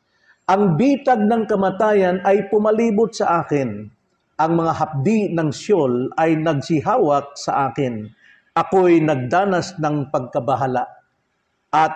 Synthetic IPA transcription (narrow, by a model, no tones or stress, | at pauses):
ʔɐŋbiːt̪ɐɡ̚nɐŋkɐmɐt̪aːjɐnɐjpʊmɐliːbʊt̪̚sɐʔaːkɪn | ʔɐŋmɐŋaɦɐp̚d̪inɐŋsolɐjnɐɡ̚sɪɦaːwɐk̚sɐ̰ʔaːkɪn | ʔɐkojnɐɡ̚d̪aːnɐsnɐŋpɐɡ̚kɐbɐɦalaʔ | ʔɐt̪̚